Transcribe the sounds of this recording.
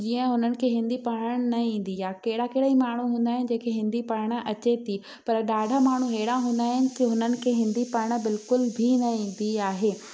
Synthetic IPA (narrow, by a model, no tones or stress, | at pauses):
d͡ʑiːə̃ɦʊnənɪ̆kʰeːɦɪ̃nd̪ipaɽəɽ̃nɐĩːn̆d̪ijaːkɐɦɪɽakeɽaimaːɳ̤uɦũːnd̪aːɦɪnɪ̆d͡ʑẽːkʰeɦɪ̃nd̪ipɐɽɽ̃ə̆ʔɐt͡ɕet̪i | pɐɾɗaːɖʱamaːɳ̤uɦeɦɪɽãɦũːnd̪aːɦɪnɪ̆k̪iɦʊnənɪ̆kʰeːɦɪ̃nd̪ipɐɾɽ̃ə̆bɪlkʊlbʱinɐĩːn̆d̪iaːɦeː